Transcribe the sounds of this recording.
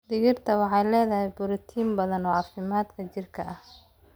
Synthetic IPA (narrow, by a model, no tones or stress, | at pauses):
d̪ɪɣɪrt̪ʰɐwɑħɑjlɛːðɐɦɛjbʊɾɪt̪ʰiːmbɐðɐnɔːʕɑfɪmaːd̪kʰɐt͡ʃɪrkʰɐʔɐh